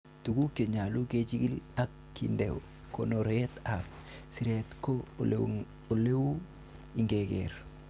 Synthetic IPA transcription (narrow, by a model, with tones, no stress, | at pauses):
tu˨ku˦ke˨ɲa˨lu˦ke˦t͡ʃi˦ɡi˦la˦kːḭ˨nde˨w | ko̰˨no˨ɾe˦ta˨p̚ | si˨ɾe˨tko˦ | o˨le˦u˦ | i˨ŋɡe˨kḛ˨ɾ